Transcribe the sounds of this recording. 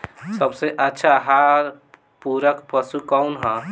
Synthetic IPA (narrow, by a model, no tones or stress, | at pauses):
səbseʔətːʃʰaɦaɾ | puɾəkpəsukɔʊnɦə̃